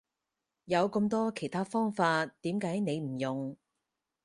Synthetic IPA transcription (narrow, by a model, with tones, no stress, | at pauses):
jɐ˨˧wkə˧mt̪ɔː˥kʰe˨˩jt̪ʰaː˥fɔː˥ŋfaː˧tːiː˨˥mkaː˨˥jne˨˧jm̩˨˩jʊ˨ŋ